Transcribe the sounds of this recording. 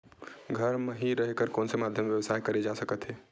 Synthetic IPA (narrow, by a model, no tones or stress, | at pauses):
ɡʱəɾmeɦiɾəɦekəɾkɔːnsemaːd̪ʱjəmʋjəʋəsaːjkəɾed͡ʒasəkət̪ɦɛː